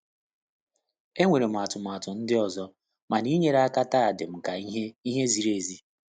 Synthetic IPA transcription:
e˦ŋʷe˨ɾe˨m̩˨a˨tʊ˨m˨a˨tʊ˨n̩˦dɪ˦ɔ˨zɔ˦ | ma˨ni˦ɲe˦ɾa˦ka˦ta˦a˨dɪ˨m̩˨ka˨˦e˦i˦ɦe˦zi˨ɾe˨zi˦

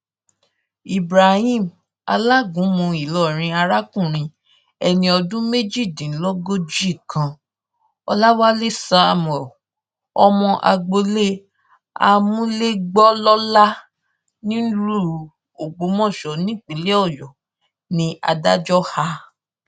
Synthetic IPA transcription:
i˨bɾa˨hĩ˦˨m | a̰˧la˦ɡũ˨˦mũ˧i˨lɔ˦˨ɾ̃ĩ˧a˧ɾa˦kũ˦˨ɾ̃ĩ˧ | ɛ˧nĩ˧ɔ˧dũ˦me˦d͡ʒi˦˨dĩ˨˦lɔ˦ɡo˦d͡ʒi˦˨kã˧ | ɔ˧la˦wa˦le˦sa˦˨mɛ˨ | ɔ˧mɔ̃˧ʔa̰˧ɡ͡bo˧le˦ | a̰˧mũ˦le˦ɡ͡bɔ˦lɔ˦la˦ | nĩ˦n̩˦ɾu˦˨ | o˨ɡ͡bo˨˦mɔ̃˦˨ʃɔ˨nĩ˦˨k͡pĩ˨˦le˦ɔ˦˨jɔ˨ | nĩ˧ʔa̰˧da˦d͡ʒɔ˦ha˧

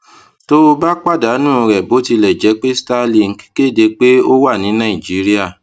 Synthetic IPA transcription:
to˦o˧ba˦k͡pa˦˨da˨˦nũ˦˨˧ɾɛ˨bo˨˦ti˧lɛ˨d͡ʒɛ˨˦k͡pe˦sta˧li˧˨ŋ̩˦ki̥˦ke˦˨de˧k͡pe˦o˦wa˦˨nĩ˨˦nã˦˨ĩ˨d͡ʒi˨˦ɾi˦a˦˨

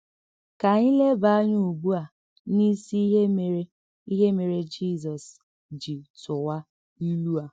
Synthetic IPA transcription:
ka˨ɲi˦le˦ba˨a˦ɲu˦u˨bu˦a˨˦ | ni˦si˦ɦe˦me˨ɾe˦ | i˦ɦe˦me˨ɾe˦d͡ʒi˦˨zɔ˨s | d͡ʒi˨tʊ˨wa˦ | i˦lu˦a˨

